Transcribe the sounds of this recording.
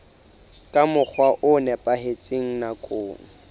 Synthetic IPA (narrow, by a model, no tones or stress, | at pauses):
kʼamʊk͡xʰwaʔʊnɛpʼaɦet͡sʼeŋ̩nakʼoːŋ̩